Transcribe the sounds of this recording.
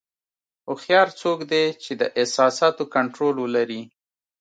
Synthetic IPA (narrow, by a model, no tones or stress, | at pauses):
ʊxjɑɾt͡sokd̪et͡ʃed̪əʔɪsɑsɑt̪okaɳʈɾolwəlaɾi